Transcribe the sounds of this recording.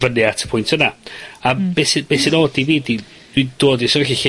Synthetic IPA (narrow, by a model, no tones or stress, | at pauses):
vənɨatʰə̥pʰʊjntʰənaabesbesinoːdiviːdi | d̥wid̥oːdisɔvɛxiɬi